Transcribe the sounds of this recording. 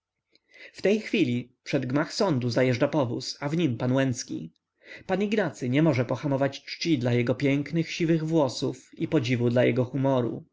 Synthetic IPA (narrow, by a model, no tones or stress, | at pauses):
ft̪ɛjxfʲilʲipʂɛd̪ɡmaxsɔnd̪uzajɛʐɖapɔvṵsavɲimpanwɛnt̪skʲḭ | paniɡnat̪sɘɲɛmɔʐɛpɔxamɔvat͡ɕt͡ʂt͡ɕid̪lajɛɡɔpʲjɛŋknɘxɕivɘɣvwɔsufipɔd͡ʑivud̪lajɛɡɔxumɔɾṵ